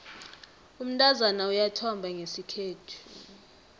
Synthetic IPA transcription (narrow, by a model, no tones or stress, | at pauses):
um̩tʼazanaujatʰɔmbʱaŋesikʰeːtʰu̥